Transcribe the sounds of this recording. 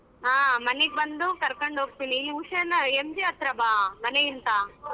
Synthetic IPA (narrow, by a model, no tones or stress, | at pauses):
aːmɐneɡ̚bɐnd̪ukɐɾkoɳɖɦoːɡ̚t̪iniuʂɐnɐemd͡ʒiɐt̪ɾɐbaːmɐneint̪a